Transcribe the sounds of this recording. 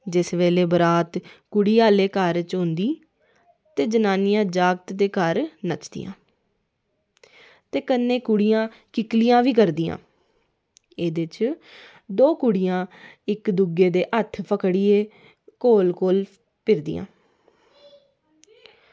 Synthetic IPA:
d͡ʒɪsʋeːleːbəɾaːt̪kʊɽiːaːleːkəɾt͡ʃõnd̪iː | t̪eːd͡ʒənaːnijãːd͡ʒaːɡt̪d̪eːkəɾnət͡ʃd̪ɪ̰jã̰ː | t̪eːkənːeːkʊɽɪjãː | kɪklijãːʋiːkəɾd̪ijã̰ː | eːd̪ɪt͡ʃ | d̪oːkʊɽijãːɪkd̪ʊɡeːd̪eːʔət̪ʰpəkɽiːeː | koːlkoːl | pɪɾd̪ḭːã̰ː

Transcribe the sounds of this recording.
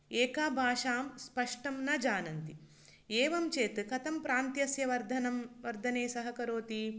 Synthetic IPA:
eːkaːbʱaːʂaːmspɐʂʈɐmnɐd͡ʒaːnɐnt̪i | eːʋɐmt͡ʃeːt̪ɨkɐt̪ɐmpɾaːnt̪jɐsjɐʋɐɾd̪ʱɐnɐmʋɐɾd̪ʱɐneːsɐɦɐkɐɾoːt̪i

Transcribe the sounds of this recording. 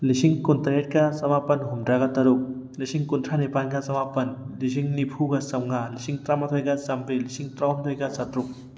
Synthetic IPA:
lisiŋkuntaet̚kɐsɐmapɐnɦumdɾaɡɐtɐɾuk̚ | lisiŋkunt̪ʰɾanepanɡɐsɐmapɐnlis̬iŋnipʰuɡɐsɐmŋalisiŋtɾamat̪ʰojɡɐsɐmbilisiŋtɾawmt̪ʰojɡɐsatɾuk̚

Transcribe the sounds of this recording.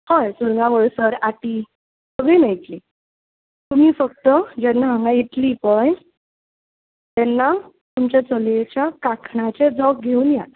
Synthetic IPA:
hãjsuɾŋɡãɡəɭsəɾaʈ̪i | səɡɭijnait̪li | t̪um̤iːfək̚t̪əd͡ʑɛnːaɦãŋɡajit̪lipəj | t̪ɛnːa | t̪umt͡ɕjat͡səljet͡ɕjakakʰɳat͡ɕed͡zɔk̚ɡʱeuːnja̰t̪

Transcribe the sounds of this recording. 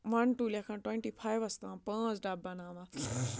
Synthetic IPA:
ʋɐnʈuːljaːkʰãːʈwẽɳʈiːpʰaːjʋɐst̪ãːpãːt͡sɖabːɐnãːʋãː

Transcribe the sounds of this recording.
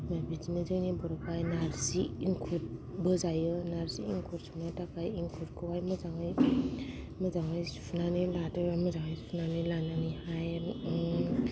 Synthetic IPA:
mabitimɯzɯjnibɔɾapajnaɾsiiŋkʰut̚bɯzajɯnaɾsiiŋkʰuɾsunajtakʰajiŋkʰuɾkʰɯwajmɯzaŋɯj | mɯzaŋɯjsu̥pʰunanilatɯamɯzaŋɯjsu̥pʰunanɯlananihaj

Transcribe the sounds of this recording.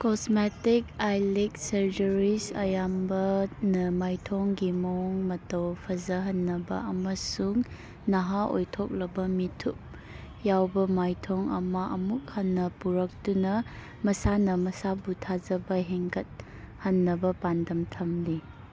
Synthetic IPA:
kosmetikajlik̚sɐɾd͡ʒɐɾisɐ̰jambɐnɐmajtʰoŋɡimoŋmɐtɐwpʰɐzɐɦɐnːɐbɐ̰ɐmɐsuŋ | nɐɦaʔo̰jtʰok̚lɐbɐmitʰuk̚ | jawbɐmajtʰoŋɐ̰mɐʔɐmuk̚hɐnːɐpuɾɐk̚dunɐ | mɐsanɐmɐsabutʰazɐbɐɦeŋkɐt̚ | hɐnːɐbɐpandɐmtʰɐmli

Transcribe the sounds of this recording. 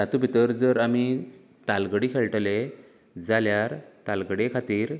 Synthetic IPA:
d͡zat̪ubʱit̪əɾd͡zəɾami | t̪alɡəɽikʰeɭʈle | d͡zaljaɾt̪alɡəɽekʰat̪iːɾ

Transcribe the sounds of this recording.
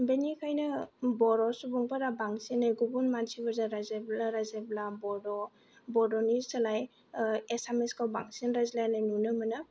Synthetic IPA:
benikʰajnabɔɾɔsubɔŋpaɾabaŋsinajɡubunmansʰibazaɾazeblaɾazeblabɔdɔ | bɔdɔnisalaj | esameskawba̰ŋsinɾazlajnajnunɯmanɯ

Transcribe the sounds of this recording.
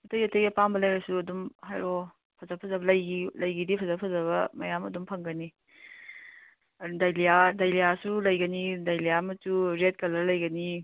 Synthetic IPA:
ɐtɐjɐtɐjɡepambɐlɐjɾɐsuɐdumɦajɾɔ | pʰɐzapʰɐzɐbɐlɐjɡilɐjɡidipʰɐzapʰɐzɐβɐmɐjamɐdumpʰɐŋɡɐni | dajlijadajlijasulɐjɡɐnidajlijamɐsuɾet̚kɐlɐlɐjɡɐni

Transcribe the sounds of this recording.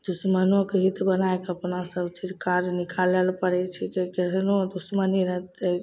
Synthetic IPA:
d̪usmənokeɦit̪bənaekəpnasəbt͡ʃʰid͡ʒkaɾd͡ʒnikʰalelpəɾɛt͡ʃʰɛkekeɾnod̪usməniɾəɦt̪ɛ

